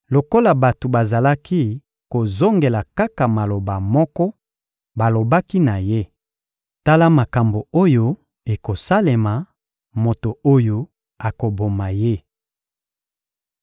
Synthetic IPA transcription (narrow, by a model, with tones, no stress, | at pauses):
lo˨ko˦la˨ba˨to˨ba˨za˨la˦ki˦ | ko˨zo˦ŋɡe˨la˨ka˦ka˨ma˨lo˨ba˨mɔ˦kɔ˦ | ba˨lo˨ba˦ki˦na˨je˦ | ta˦la˦ma˨ka˨mbo˨o˦jo˦ | e˨ko˨sa˦le˨ma˨ | mo˨to˨o˦jo˦ | a˨ko˨bo˨ma˨je˦